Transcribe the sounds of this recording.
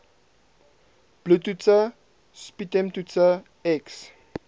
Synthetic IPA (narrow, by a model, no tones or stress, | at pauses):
b̥lutut͡sə | spitɛ̃mtutə | ɛks